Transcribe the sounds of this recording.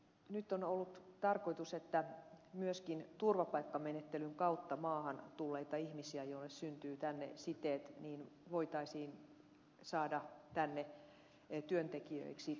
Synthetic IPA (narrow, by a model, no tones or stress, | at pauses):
nyt̪ːˑonolːut̪t̪ɑrkoit̪uset̪ːæmyøskint̪urʋɑpɑikːɑmenet̪ːelyŋkɑut̪ːɑmɑːhɑnt̪ulːeit̪ɑihmisiæjoilːessynt̪yːt̪ænːḛsit̪eːt̪niːnʋoit̪ɑisiːn | sɑːdɑt̪ænːe | t̪yønt̪ekiø̰iksi